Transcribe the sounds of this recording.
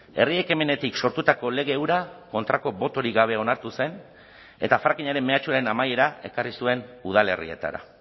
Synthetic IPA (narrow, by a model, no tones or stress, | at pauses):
e̞̰rie̞ke̞me̞ne̞t̪ikso̞ɾt̪ut̪ako̞le̞ɣ̞e̞ːwɾako̞nt̪ɾako̞bo̞t̪o̞ɾiɣaβ̞e̞o̞naɾt̪use̞n | e̞t̪afɾakiɲaɾe̞mːeat͡ʃuaɾe̞namaje̞ɾae̞karisue̞nuð̞ale̞̰rḭe̞̰t̪a̰ɾa̰